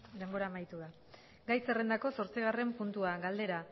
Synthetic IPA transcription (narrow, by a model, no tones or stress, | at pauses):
d̪e̞mbo̞ɾaːmajt̪uða | ɡajse̞rend̪ako̞so̞ɾt͡siɣ̞are̞mpunt̪uaɡald̪e̞ɾa